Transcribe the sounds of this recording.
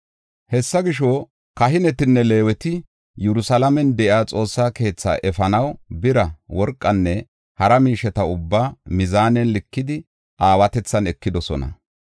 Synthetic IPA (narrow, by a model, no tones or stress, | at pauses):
hɛsːɐɡɪʃɔ | kɐɦɪnɛt̪ɪnːɛle̞ːwɛt̪ɪ | jɛɾʊsɐlɐmɛnd̪ɛʔjaːt͡sʼo̞ːsːaːke̞ːt͡sːa̰ːʔɛfɐnɐwbɪɾɐwɔɾkʼːɐnːɛ | hɐɾɐmiːʃɛt̪ɐʊbːaːmɪzaːnɛnlɪkːɪd̪ɪ | ʔaːwɐt̪ɛt͡sːɐnɛkːɪd̪ɔsɔ̰nɐ̰